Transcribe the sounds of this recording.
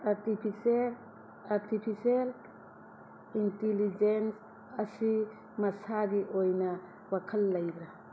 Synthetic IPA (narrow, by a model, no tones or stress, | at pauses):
aɾtipʰisel | aɾtʰipʰisel | intelid͡ʒens | ɐsi | mɐsaɡiʔojnɐ | wakʰɐlːɐjdɾa